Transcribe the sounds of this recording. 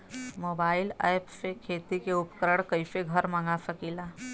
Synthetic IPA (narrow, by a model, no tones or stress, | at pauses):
moːbaːɪlɛjpsekʰeːt̪ikeʊpkəɾəɽ̃kəifeɡʱəɾmaŋɡasəkilaː